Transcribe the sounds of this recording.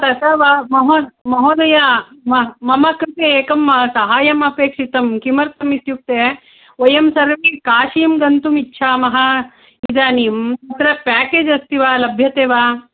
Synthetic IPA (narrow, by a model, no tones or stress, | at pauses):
t̪ɐt̪ɐːʋamɐɦomɐɦoːd̪ɐjamɐmɐmɐkɾit̪eeːkɐmsɐɦaːjɐmɐpeːkʂit̪ɐmkimɐɾt̪ɐmit̪juk̚t̪eː | ojɐmsɐɾʋeːkaːʃiːmɡɐnt̪umitːʃʰaːmɐɦɐ | id͡ʒ̪aːnimt̪ɐt̪ɾɐpaːkeːd͡ʒɐst̪iʋaːlɐbʱjɐt̪eːʋaː